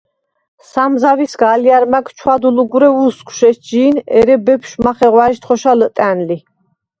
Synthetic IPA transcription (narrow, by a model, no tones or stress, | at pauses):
samzavisɡaliaɾmakt͡ʃʰwad̪uluɡuɾɛuskʰwʃɛsd͡ʒiːnɛɾɛbɛpʰʃmaχɛʁwaɛʃt̪χɔʃalət̪ʼænli